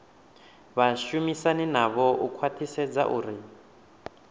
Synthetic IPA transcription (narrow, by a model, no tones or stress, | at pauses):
βaʃumisaninaβɔʔukʰwatʰisɛd͡za̰ʔṵːɾi